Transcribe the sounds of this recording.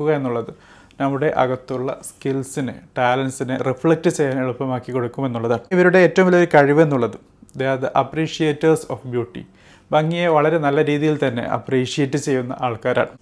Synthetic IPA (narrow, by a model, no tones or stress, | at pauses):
uɣɐe̞nːuɭːɐðɨ | nɐmːuɽe̞ʔɐ̰ɣɐt̪ːuɭːɐ̰skilsinɨʈaːlɐnsinɨrifɭek̚ʈɨt͡ɕe̞jːaːneɭupːɐmaːkːikːo̞ɽukːume̞nːuɭːɐðaːɳɨiʋɐɾuɽe̞ːtːɐʋumʋilɐjoɾukɐɻiʋe̞nːuɭːɐðɨ | d̪eːɐðɨʔɐpriːʂijeːtːɐrsofbjuːʈːḭ | bɐŋːijeʋɐɭɐɾe̞nɐlːɐɾiːðijilt̪ɐnːe̞̰ʔɐ̰priːʂijetːɨt͡ɕe̞jːunːɐ̰ʔaːɭkaːɾa̰ːɳɨ